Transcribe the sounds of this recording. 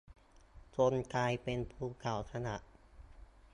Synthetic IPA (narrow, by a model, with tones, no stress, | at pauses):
t͡ɕo˧nkaː˧jpe˧npʰuː˧˩kʰa˨˩wsʰa˧na˨˩˦ʔ